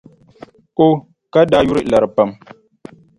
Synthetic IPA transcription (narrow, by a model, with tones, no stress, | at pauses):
ʔo˦ | ka˦da˦ju˦ɾi˦ʔla˨ɾɨ˨pə˨m